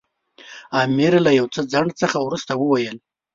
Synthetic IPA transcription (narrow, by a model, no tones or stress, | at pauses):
ɑmɪɾlajawt͡səd͡zaɳɖt͡səxawɾust̪awəwajəl